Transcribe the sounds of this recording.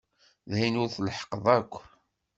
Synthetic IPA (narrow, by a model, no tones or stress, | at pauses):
ðhinʊɾθlħə̥qəðˤækʷː